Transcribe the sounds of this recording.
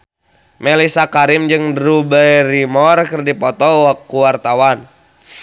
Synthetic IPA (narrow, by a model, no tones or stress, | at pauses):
mɛlisakaɾimd͡ʒɨŋdɾubɛjrimɔrkɨrdipɔt̪ɔwakːuwart̪awan